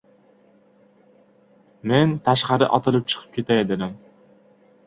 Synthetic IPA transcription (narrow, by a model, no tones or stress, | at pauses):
ment̪ʰaʃqɑɾɪ̰ʔɒt̪ʰɨlˠɪp̚t͡ʃʰɨ̥qʰɨ̥p̚kʲʰe̞t̪ʰaed̪ɪɾam